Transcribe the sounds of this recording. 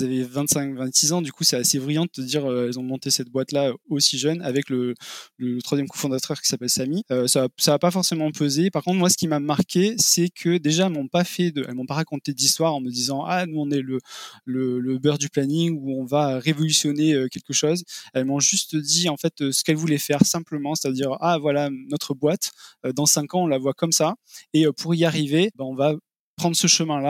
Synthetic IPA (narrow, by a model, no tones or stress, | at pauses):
zavɛvɛ̃nt̪sɛ̃kvɛ̃nt̪sizɑ̃d̪ykusɛasebʁijɑ̃d̪ət̪əd̪iʁøɛlzɔ̃mɔ̃t̪esɛt̪̚bwat̪laøosiʒœnavɛklələlət̪χwazjɛmkɔ̃fɔ̃d̪at̪œʁkʲi̥sapɛlsamiøsasaːpafɔʁsemɑ̃pʰøzepaʁkɔ̃t̪χmwasə̥kʲimamaʁkʲesɛkʰəd̪eʒaɛlmɔ̃pafɛd̪əɛ̰lmɔ̃paʁakɔ̃t̪ed̪ist̪waʁɑ̃məd̪izɑ̃anuɔ̃nɛlələləbœʁd̪yplaniŋuɔ̃vaøʁevɔlysjɔneøkʲɛlkəʃɔzɛlmɔ̃ʒyst̪d̪iɑ̃fɛt̪øsə̥kɛlvulɛfɛʁsɛ̃pləmɑ̃se̥t̪ad̪iʁʔavwalanɔt̪χəbwat̪ød̪ɑ̃sɛ̃kɑ̃ɔ̃lavwakɔmsaeøpʰuʁiaʁivebɛ̃ɔ̃va | pχɑ̃nd̪ʁəsəʃəmɛ̃la